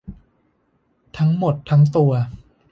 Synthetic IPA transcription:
t̪ʰa˦˥ŋmo˨˩t̪ʰːa˦˥ŋt̪u˧ɐ

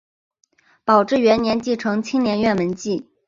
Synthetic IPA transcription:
pɑ˨˩ʊʈ͡ʂɻ̩˥˩ɥɛ˧˥nnjɛ˧˥nt͡ɕi˥˩ʈ͡ʂʰɤ˧˥ŋt͡ɕʰi˥ŋnjɛ˧˥nɥɛ˥˩nmə˧˥nt͡ɕi˥˩

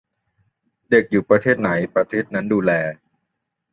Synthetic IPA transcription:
de˨˩k̚juː˨˩pɾa˧t̪ʰeː˥˩t̪̚na˩˦jpɾa˧t̪ʰeː˥˩t̪̚na˦˥nduː˧lɛː˧

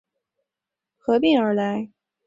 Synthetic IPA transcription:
xɤ˧˥p̬i˥˩ŋə˞˧˥la˧˥ɪ

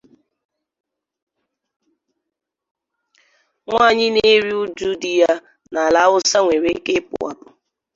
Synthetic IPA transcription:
ŋʷa˦˨ɲɪ˦ne˦ɾi˦u˦d͡ʒu˦di˨ja˦ | na˨la˨˦ʊ˦sa˦ŋʷe˨ɾe˦e˦ke˦pʊ̰˨wa̰˨pʊ̥˨

